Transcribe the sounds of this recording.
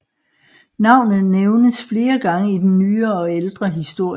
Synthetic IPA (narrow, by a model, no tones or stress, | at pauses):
nɑ̈ʊ̰nð̩ˠneʊnəsfle̝ːɐɡ̥ɑ̈ŋəid̥en̩ːyːɐɒ̽eld̥ʁɐɦisd̥o̝ɐ̰